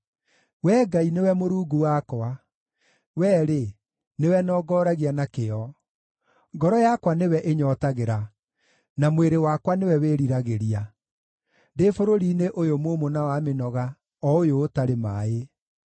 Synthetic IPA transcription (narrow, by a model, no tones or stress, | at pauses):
wɛːɡainewɛmoɾuːɡuwakwa | wɛːɾe | newɛnɔːɡɔɾaɣianakeɔ | ŋɡɔɾɔjakwanewɛʔeɲɔtaɣeɾa | namweɾewakwanewɛweːɾiɾaɣeɾia | defoɾoɾineʔojomomonawamenɔɣa | ɔojoːtaɾemae